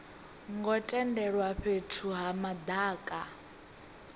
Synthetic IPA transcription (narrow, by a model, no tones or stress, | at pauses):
ŋɡɔtʼɛndɛɺwaɸetʰuɦamad̪aːkʼa